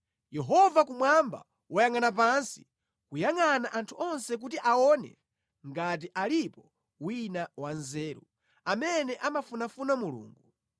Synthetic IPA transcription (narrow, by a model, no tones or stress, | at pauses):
jɛɦɔvakumwamba̰ | wajaŋanap̬ansi̥ | kujaŋanaʔantʰuʔɔnsɛk̬utiʔaɔnɛ̰ | ŋɡat̬iʔalipɔ | winawanzɛːɾu | amɛnɛʔamafunafunamulṵːŋɡu